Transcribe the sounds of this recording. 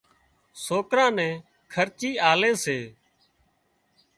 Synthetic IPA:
soːkɾãːnɛ̃ː | kʰəɾt͡ʃiːaːleːseː

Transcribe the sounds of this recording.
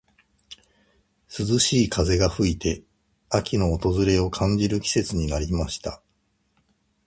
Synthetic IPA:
sɨzɨɕiːkʰaze̞ɡaɸɯ̟it̪e̞ | akʲino̞ːt̪o̞zɨɾe̞o̞kʰãɲ̟d͡ʑiɾɯ̟kʲi̥se̞t͡sɨɲ̟inaɾʲimaɕi̥t̪a

